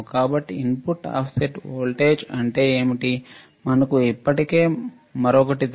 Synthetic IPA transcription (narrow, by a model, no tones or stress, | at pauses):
kaːbɐʈːiinpuʈːa̰ːpʰseʈoːlʈeːd͡ʒɐɳʈe̞ːeːmiʈi | mɐnɐkuipːɐʈike̞ː | mɐɾɔkɐʈid̪